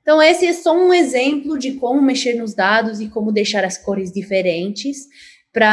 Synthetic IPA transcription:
ẽt̪ɐ̃w̃esɪɛsɔũezẽmplʊd͡ʒɪkõmʊmeʃeɾnʊzd̪ad̪ʊzɪkõmʊd̪ejʃaɾɐskoɾɪzd͡ʒifeɾẽnt͡ʃɪs | pɾɐ

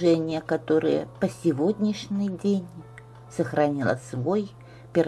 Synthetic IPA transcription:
ʐɛnʲɪjəkɐt̪o̞ɾɨ̰jə̰pəsʲɪvod̪ʲnʲɪʂnʲɨjdʲenʲ | səxɾɐnʲilˠə̰svo̞j | pʲɪr

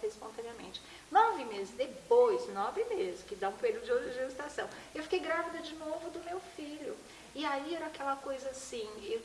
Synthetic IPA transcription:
hespõnt̪ɐ̃niɐmḛ̃t͡ʃɪ | nɔ̃vimezd̪epojsnɔ̃vimezɪkɪd̪aũpeɾid̪ʊd͡ʒɪoɐʒest̪asɐ̃w̃ | ewfi̥kejɡɾavid̪ɐd͡ʒɪnovʊd̪ʊmewfiʎʊ | ɪaiɛɾɐakɛlɐkojzɐːsĩew

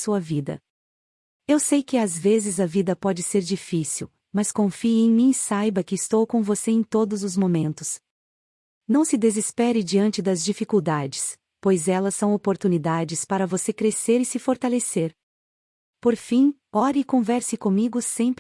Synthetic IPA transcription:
suɐvid̪ɐ̰ | ewsejkɪazvezɪzɐvid̪ɐpɔd͡ʒɪseɾd͡ʒifisiw | mɐskõfiẽj̃mĩsajbɐkɪːst̪owkõvoseẽj̃t̪od̪ʊzʊzmomẽnt̪ʊs | nɐ̃w̃sɪd̪ezispɛɾɪd͡ʒiɐ̃nt͡ʃɪd̪ɐzd͡ʒifikuwd̪ad͡ʒɪs | pojzɛlɐsːɐ̃w̃opoɾt̪unid̪ad͡ʒɪspaɾɐvosekɾeseɾɪsɪfoɾt̪aleseɾ | poɾfĩ | ɔɾɪɪkõvɛɾsɪkõmiɡʊsẽmp

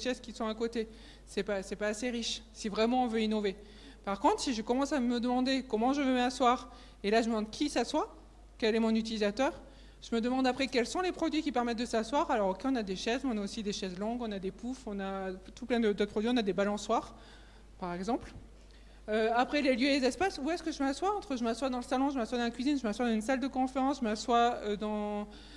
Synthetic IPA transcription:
d̪ʃɛzkʲisɔ̃akot̪e | sɛpasɛpaːseʁiʃsivʁɛmɑ̃ɔ̃vøinɔve | paʁkɔ̃t̪χsiʒəkɔmɑ̃saməd̪əmɑ̃d̪ekɔmɑ̃ʒəvemaswaːʁ | elaʒəməmɑ̃d̪kʰʲisaswa | kʲɛlɛmɔ̃nyt̪̬ilizat̪œːʁ | ʒ̥əməd̪əmɑ̃d̪apχɛkʲɛlsɔ̃lepχɔd̪ɥikʲipɛʁmɛt̪̚d̪əsaswaʁalɔʁokʲeɔ̃nad̪eʃɛzmɛɔ̃naosid̪eʃɛzlɔ̃ɡɔ̃nad̪epufɔ̃nat̪uplɛ̃d̪əd̪ot̪pχɔd̪ɥiɔ̃nad̪ebalɔ̃swaːʁ | paʁɛɡzɑ̃pl | øapχɛleljøelezɛspasuɛskəʒəmaswaɑ̃t̪χəʒəmaswad̪ɑ̃ləsalɔ̃ʒəmaswad̪ɑ̃kɥizinʒəmaswad̪ɑ̃zynsald̪əkɔ̃feʁɑ̃sʒəmaswaød̪ɑ̃

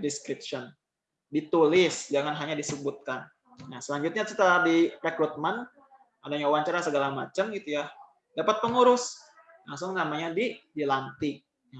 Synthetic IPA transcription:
diskɾipʃɔn | dit̪ulɪsd͡ʒaŋanɦaɲadisəbut̪̚kan | nahsəlaɲd͡ʒut̪̚ɲat͡ʃit̪adiɾekɾut̪̚man | adaɲauwaɲt͡ʃaɾasəɡalamat͡ʃəmɡit̪uja | dapat̪̚pəŋuɾʊs | laŋsʊŋnamaɲadidilant̪ɪ | ja

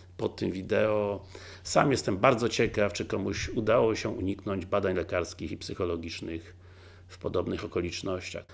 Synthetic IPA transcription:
pɔt̪ːɘmvʲid̪ɛɔ | sa̰mjɛst̪ɛmbaɾd̪zɔt͡ɕɛkaft͡ʂɘkɔmuɕud̪awɔɕɛʔṵɲiknɔɲd͡ʑbad̪aɲlɛkaɾskʲixipsɘxɔlɔɡʲit͡ʂnɘx | fpɔd̪ɔbnɘxɔkɔlʲit͡ʂnɔɕt͡ɕa̰x

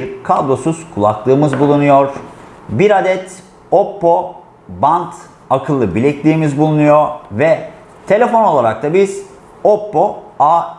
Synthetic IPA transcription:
ɾkʰablˠo̞suz̥kʰulˠa̰klˠɯːmɯzbulˠunujoɾ̥ | biɾad̪ɛt̪ | opːo | bant̪ | akʰɯlˠːɯbilʲiclʲiːmizbulˠunujovɛ | t̪ʰe̞lʲe̞fo̞no̞lˠaɾak̚t̪ʰabiz̥ | opːoa

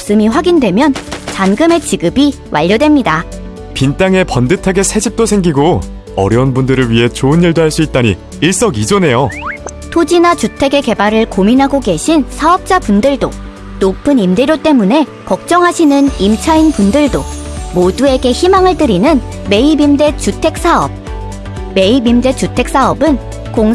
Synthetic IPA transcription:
ps͈ɯmiɸwaɡindwe̞mjʌnt͡ɕanɡɯme̞t͡ɕiɡɯbi | wʔa̰ʎːʌdwe̞mɲida | pint͈aŋe̞pʌndɯtʰaɡe̞sʰe̞d͡ʑip̚t͈osʰe̞ŋɡiɡo | ʌ̰ɾjʌunbundɯɾɯɭɥiɦe̞t͡ɕoɯnːiɭdoɦaɭs͈uit̚t͈aɲi | iɭs͈ʌɡid͡ʑone̞jo | tʰod͡ʑinat͡ɕutʰe̞ɡe̞ke̞baɾɯɭkominɦaɡoɡe̞ɕʰinsʰaʌp̚t͡ɕ͈apundɯɭdo̰ | nopʰɯnimdeɾjot͈e̞mune̞ | kʌk̚t͡ɕ͈ʌŋɦaɕʰinɯnimt͡ɕʰainpundɯɭdomodue̞ɡe̞çimaŋɯɭt͈ɯɾinɯn | me̞ibimde̞t͡ɕutʰe̞k̚s͈aʌb̚ | me̞ibimde̞t͡ɕutʰe̞k̚s͈aʌbɯn | koŋ

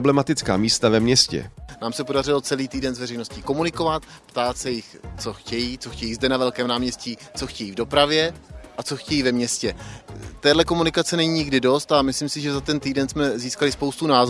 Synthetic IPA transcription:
blɛmat̪ɪt͡ska̰ːmiːst̪avɛmɲɛscɛ̰naːmsɛpo̞darɪlo̞t͡sɛliːt̪iːdɛnzvɛrɛjno̞sciko̞munɪko̞vat̪pt̪aːt̪sɛjɪxt͡so̞xcɛjiːt͡so̞xcɛjiːzdɛnavɛlkɛːmnaːmɲɛscit͡so̞xcɛjiːvdo̞pɾavjɛʔat͡so̞xcɛjiːvɛmɲɛscɛt̪ɛːdlɛko̞munɪkat͡sɛnɛɲiːɲɪɡdɪdo̞st̪amɪslimsɪʒɛzat̪ɛnt̪iːdɛnsmɛziːskalɪspo̞wst̪unaːz

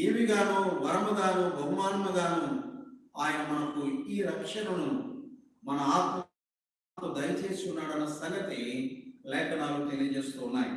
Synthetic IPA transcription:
iːʋiɡaːɾuːʋɐɾɐmɐɡaːnubʱɐɡumaːnmɐɡaːnu | aːjɐnɐmɐnɐkuiːɾɐkʂɐnɐnu | mɐnɐaːt̪mɐ | t̪oːd̪ɐjɐt͡ʃeːsunːaːɽɐnːɐsɐŋɡɐt̪ilɛːkɐɽaːlut̪e̞lijɐd͡ʒe̞ːst̪uːnːaːjḭ

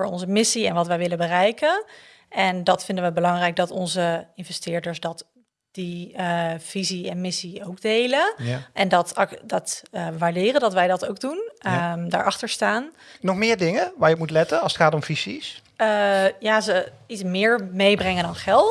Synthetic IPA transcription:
fʊːɹɔ̰nzəmɪsiɛnʋɑtʋɛjʋɪləbərɛjkən | ʔɛndɑtfɪndənʋəbəlɑŋrɛjk̚dɑtɔnzəɪnvɛstɪːɹdəɹsdɑt | d̥i | v̥iziɛnmɪsiowɡdejləʔɛndɑtdɑtːʋaːɹdɪːrəndɑtʋɛjdɑtowk̚dunda̰ːɹʔɑχtəɹstaːnnɔχmɪːɹdɪŋəʋaːɹjəɔpmutlɛtənɑlˠsətχaːtɔmvisḭs | əjaːzəitsmɪːɹmejbrɛŋəndɑnχɛlˠt

